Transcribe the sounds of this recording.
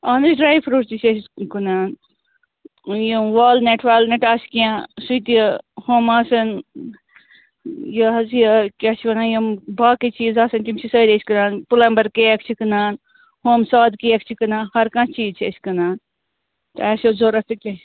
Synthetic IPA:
aːnɨsɖɾaːjpʰɾuːʈt͡ʃit͡ʃʰʲeskɨnaːn | jimʋaːlneʈʰʋaːlneʈaːsi̥kijãsujt̪ihoːmaːsɐn | jɐɦɐzijɐkʲat͡ʃʰiʋɐnaːjimbaːkit͡ʃiːzaːsɐnt̪imt͡ʃʰisɐːɾesʲkɨnaːnpulɐmbɐɾkeɐkʰt͡ʃʰikɨnaːn | hoːmsaːd̪kijɐkt͡ʃʰikɨnãːnhɐɾkãːt͡ʃiːzt͡ʃʰeskɨnaːn | t̪ɛːsozoːɾɐt̪ɨkʲe

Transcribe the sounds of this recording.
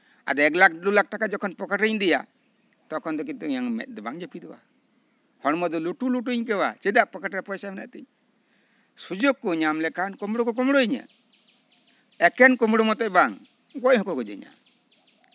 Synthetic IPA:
a̰d̪ɔɛklak̚lulak̚ʈakad͡ʒɔkʰɔnpɔkəʈəɲd̪ija̰ | t̪ɔkʰɔnd̪ɔk̬int̪uiɲaŋmɛ̰t̪̚ˀd̪ɛbaŋd͡ʒapid̪ɛwa̰ | hɔɽmɔd̪ɔluʈuluʈuɲkɛwat͡ʃɛd̪aʔpəkəʈɾɛpɔjsamɛna̰ʔt̪ɛɲ | sud͡ʒoɡ̚kːɔɲamlɛkankɔmɽukɔk̬ɔmɽuiɲa̰ | ɛkɛnkɔmɽumɔt̪ɔʔbaŋ | ɡɔʔhɔkɔkɔd͡ʒɛ̰ɲa̰

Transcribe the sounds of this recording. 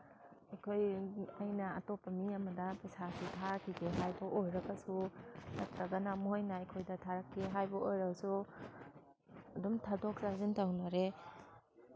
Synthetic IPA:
akʰojajnaːtɔpːamiamɐdapasakʰitʰaɾkʰiɡeɦajbɔʔojɾɐkasunak̚taɡanamuɦajnaekʰojdatʰaɾakʰːeɦajbɔojɾawsu | ɐdɔmtʰadɔk̚sazintʰawnaɾe

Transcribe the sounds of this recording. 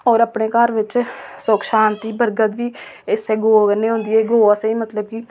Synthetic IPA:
ɔːɾəpɳeːkəɾʋɪt͡ʃsokʃaːnt̪iːbəɾɡət̪ʋiːɪseːɡoːkənːẽːɦõnd̪iːeːɡoːasəiːmət̪ləb̚kiː

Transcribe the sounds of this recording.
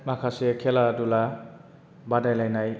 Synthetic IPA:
makʰasekʰeladula | badajlajnaj

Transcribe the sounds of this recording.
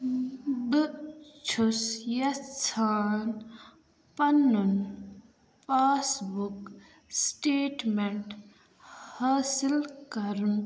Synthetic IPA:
bɨt͡ʃʰusjɐt͡sʰaːn | pɐnːun | paːsbuk | sʈeːʈmeɳʈ | haːsilkɐɾun

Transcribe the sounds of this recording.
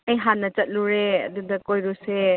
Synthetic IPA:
ɐjɦanːɐt͡ʃɐt̚luɾeɐ̰d̪ud̪ɐkojɾuse

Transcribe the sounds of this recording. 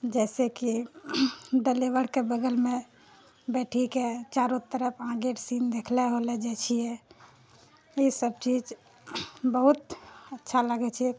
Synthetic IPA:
d͡ʒɛɪseki | ɖeleʋəɽkebəɡəlme | bɛʈʰiket͡ʃaɾot̪ːəɾəpʰãɡeɾsind̪ekʰlɛɦolɛd͡ʒɛt͡ʃʰiɛ | isəb̚t͡ʃid͡ʒ | bəɦut̪ətːʃʰaləɡɛt͡ʃʰɛɛ

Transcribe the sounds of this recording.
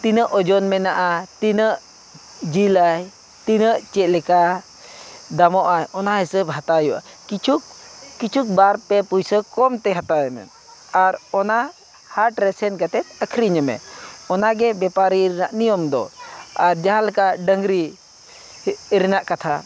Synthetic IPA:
t̪inəʔɔd͡ʒɔnmɛnaʔat̪inəʔ | d͡ʒilaj | t̪inəʔt͡ʃɛt̪̚lɛka | d̪amɔʔajɔnaɦɛsəbɦat̪ajuʔa̰ | kit͡ʃʰukːit͡ʃʰuk̚baɾpɛpujsəkɔmt̪ɛɦat̪ajmɛ̰n | aɾɔna | haɾʈɾɛsɛnkat̪ɛt̪̚əkʰɾiɲəmɛ̰ɔnaɡɛbɛpaɾiɾnaʔnijɔmd̪ɔ̰aɾd͡ʒaɦalɛkaʔɖəŋɾi | ɾinaʔkat̪ʰa̰

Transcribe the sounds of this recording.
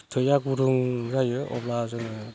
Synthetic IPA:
tʰɯjaɡuɾuŋzajɯʔɔ̰plazɯnɯ

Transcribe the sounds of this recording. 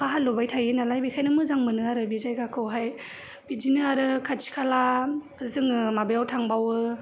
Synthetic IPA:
kʰaɦalːobajtʰajɯnalajbikʰajnɯmɯzaŋmɯnɯaɾɯbizajɡakʰɯwɦaj | b̥id͡ʒinɯaɾɯkʰat͡ʃi̥kʰala | ɯzɯŋmabejawtʰaŋbawɯ

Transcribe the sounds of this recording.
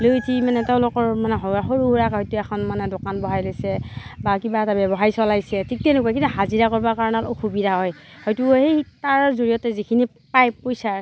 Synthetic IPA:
lojtʰimanɛteʊ̃lʊkɔɹmanɛɦaɦoɹuɦuɹakɦɔjtuɛkʰɔnmanɛdokanbɔɦajlojsɛbakibatabɛbɔɦaisɔlajsɛtʰik̚tɛnʊkuak̬intuɦaziɹakɔɹbakaɹɔnatoxubidʱaɦɔjhɔjtuɦejtaɹzoɹijɔtɛzikʰini | pajpojsaɹ

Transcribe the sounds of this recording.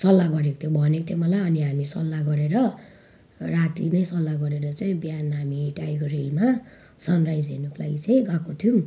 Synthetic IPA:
sʌlːaɡʌɾeko̥t̪ʰjobʱʌnekot̪ʰemʌlaʌniɦamisʌlːaɡʌɾeɾʌ | rat̪inʌjsʌlːaɡʌɾeɾʌt͡sʌĩbjanɦamiʈajkorilma | sʌnrajd͡zɦenokʰola̰ɡit͡sʌĩɡakot̪ʰjum

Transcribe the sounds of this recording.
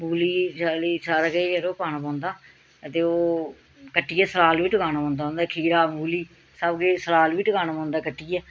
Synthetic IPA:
muːliːt͡ʃaliːsaːɾaːkeəɾoːpaːnaːpãːnd̪aː | ət̪eːoː | kəʈːiːɛːsəlaːlʋiːʈəkaːnaːpãːnd̪ãːnd̪aːkʰiːɾaːmuːliː | səbɡeːsəlaːlʋiːʈəɡaːnaːpãːnd̪aːkəʈːiːɛː

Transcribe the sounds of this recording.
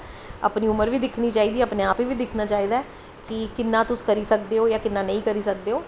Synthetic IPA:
a̰ːpniːʊməɾʋiːd̪ɪkʰniːt͡ʃaːiːd̪iːəpneːaːpiːʋiːd̪ɪkʰnaːt͡ʃaːiːd̪aɛː | kɪkɪnːãːt̪ʊskəɾiːsək̚d̪eːoːjaːkɪnːaːnə̃ĩːkəɾiːsək̚d̪eːoː

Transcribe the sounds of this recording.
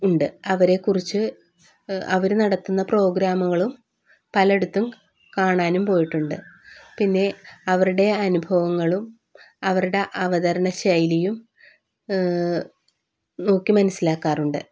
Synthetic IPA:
uɳɖɨɐʋɐɾe̞kːurit͡ɕːɨ | ɐ̰ʋɐɾnɐɽɐt̪ːunːɐpro̞ːɡɾaːmɐɣɐɭum | pɐlɐe̞ɽut̪ːum | kaːɳaːnumpo̞ːjiʈːuɳɖɨpinːe̞ɐʋɐɾuɽe̞ɐnubʱɐʋɐŋːɐɭum | ɐʋɐɾuɽe̞ʔɐʋɐðɐɾɐɳɐɕɐjlijum | no̞ːkːimɐnɐsːilaːkːaːruɳɖɨ

